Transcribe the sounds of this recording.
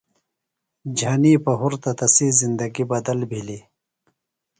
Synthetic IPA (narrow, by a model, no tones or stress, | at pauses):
d͡ʑʱaniːpɐɦuɾt̪ɐt̪ɐsiːzind̪ɐɡibɐd̪ɐlbʱili